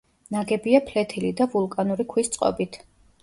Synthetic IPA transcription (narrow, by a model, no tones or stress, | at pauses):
naɡɛbiapʰlɛt̪ʰilid̪avulˠkʼanuɾikʰwist̪sʼqʼɔ̰bit̪ʰ